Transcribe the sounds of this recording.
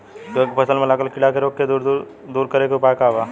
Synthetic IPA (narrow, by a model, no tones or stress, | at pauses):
d͡ʒokpʰɐsəlmẽlaːɡəlkɪɽakeɾoːkːed̪ɾ | d̪uːɾkəɾekeʊpaːkaːʋaː